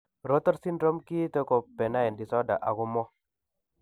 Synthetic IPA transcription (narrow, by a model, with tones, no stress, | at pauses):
ɾo˦t̪ɔ˦ɾsi˦ndɾɔ˦mki˦t̪e˦ko˨pe˨na˦ɛ˨ndi˨sɔ˦da̰˨ʔa˨ɡu˦mɔ˦